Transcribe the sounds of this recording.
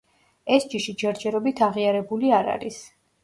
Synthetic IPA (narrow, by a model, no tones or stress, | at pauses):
ɛsd͡ʒiʃid͡ʒɛɾd͡ʒɛɾɔbit̪ʰaʁiaɾɛbuliaɾa̰ɾis